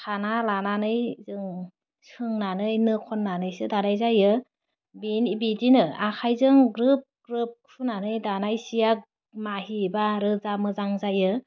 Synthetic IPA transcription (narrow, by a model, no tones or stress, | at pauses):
kʰanalananɯjzɯŋ | sɯŋnanɯjnɯkʰɔnːanɯjsɯdanajzajɯ | binibidinɯakʰajzɯŋɡɾɯp̚ɡ̥ɾɯp̚kʰunanɯjdanajsijak̚ | maɦibaɾɯzamɯzaŋzajɯ